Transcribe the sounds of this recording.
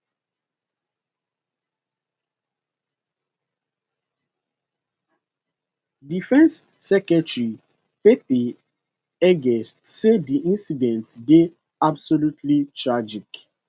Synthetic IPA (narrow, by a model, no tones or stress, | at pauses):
difɛ̃nsː | ɛkɛtɹi | peti | ɛɡɛstsediʔĩnsidɛ̃ntde | absolutʰlit͡ʃʰɹad͡ʒik